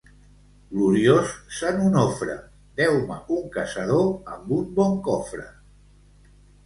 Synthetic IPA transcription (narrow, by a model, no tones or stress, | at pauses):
ɡluɾiossanunɔfɾə̰ | d̪ɛwmə̰uŋkəsəð̞oəmbumbɔŋkɔfɾə̰